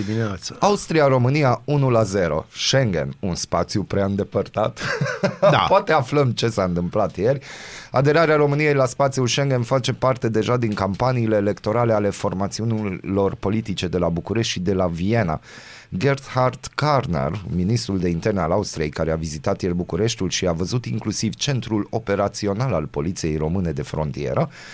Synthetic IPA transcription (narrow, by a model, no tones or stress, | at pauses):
iminat̪səaust̪ɾiaɾo̞mɨnijaunulaze̞ɾo̞̰ʃe̞ŋɡe̞̰nunspat̪sijupɾeaɨnd̪e̞pərt̪at̪ | a̰poat̪e̞afləmt͡ʃe̞saɨnt̪ɨmplat̪je̞rʲa̰d̪e̞ɾaɾeaɾo̞mɨnije̞jlaspat̪siulʃe̞ŋɡe̞nfat͡ʃe̞part̪e̞d̪e̞ʒad̪iŋkampaniːle̞ːle̞kt̪o̞ɾale̞ale̞fo̞rmat̪siunilo̞rpo̞lit̪it͡ʃe̞d̪e̞labukuɾe̞ʃt̪ʃid̪e̞lavije̞na̰ | ɡe̞rt̪hart̪karnḛrminist̪ɾuld̪e̞int̪e̞rnealaust̪ɾije̞jkaɾeavizit̪at̪jelbukuɾe̞ʃt̪ulʃiavəzut̪iŋklusivt͡ʃe̞nt̪ɾulo̞pe̞ɾat̪sio̞nalalpo̞lit̪sije̞jro̞mɨne̞d̪e̞fɾo̞̰nt̪ie̞̰ɾə